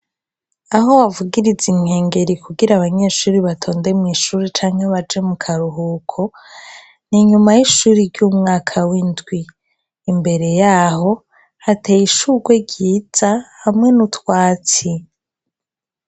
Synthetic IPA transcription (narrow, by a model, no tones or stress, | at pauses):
aɦowavuɡiɾiziŋ̥he̞ːŋɡe̞ɾikuɡiɾaβaɲe̞ːʃuːɾiβatʰo̞ːnde̞mŋiːʃuːɾit͡ʃaːŋhe̞βad͡ʒe̞mukʰaɾuɦuːkʰo̞ | niɲumajiʃuːɾiɾɟuːmŋaːkʰawindɡwiː | mbe̞ɾe̞jaːho̞ | hate̞jiʃuɡwe̞ɟiːz̥ahamŋe̞nutwaːt͡si